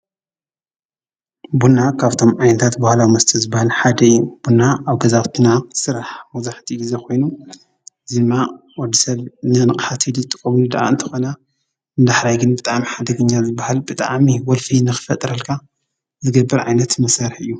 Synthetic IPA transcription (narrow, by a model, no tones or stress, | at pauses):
bunːakʰaβt̪ʰo̞mʕajnɐt̪ʰat̪bahlawimɐst̪ʰɐzɨbːahalħad̪ɐɨjːub̥unːaaβɡɐzaβt̪ʰɨnasɨɾaħmɐzaħt̪ʰiɡizekʰo̞jnu | ʔɨzid̪ɨmːa | wɔd̪isɐβnɨnɨkʼħat̪ʰid̪ut̪ʼɨkʼɐmilud̪ɐʔa̰ɨnt̪ʰɐ̥xo̞nɐ | nd̪aħɾajɡɨnbɨt̪ʼamiħad̪ɐɡɨɲːazɨbːahalbɨt̪ʼa̰ʕmiwɔlfinɨxɨ̥fɐt̪ʼɾɐlkʰa | zɨɡɐbːɐɾʕa̰jnɐt̪mɐsaɾħɨjːu